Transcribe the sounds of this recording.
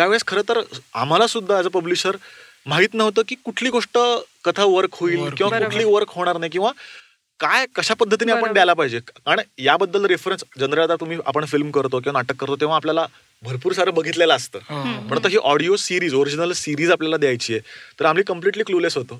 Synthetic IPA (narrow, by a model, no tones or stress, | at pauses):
t̪jaʋeɭskʰəɾəːt̪əɾa̰m̤alasud̪ʱːaːd͡zəpəbliɕəɾ | maɦit̪nəɦʋt̪əkiːkuʈʰliːɡʱoʂʈəkət̪ʰaʋəɾkɦoiːlkĩw̃akuʈʰliːʋəɾkɦoɽ̃aɾnajkĩw̃ʋa | kajkəɕapəd̪ʱːət̪iniapəɳɖjalapaɦid͡ʑeaɳ̃jabəd̪ːəlɾefɾensd͡ʑənɾəad̪at̪um̤iːa̰pəɳfilmkəɾt̪ok̬ĩw̃anaʈəkːəɾt̪ot̪ew̃ʋaːpljala | bʱəɾpuːɾsaɾəbəɡʱit̪lelaːst̪ə̰ːpəɳt̪əɦiːʔɔɽiosiɾiːd͡zoɾid͡ʑinəlsiɾiːd͡zapljalad̪jajt͡ɕiːjet̪əɾam̤liːkəmpliʈliːklulesɦot̪əː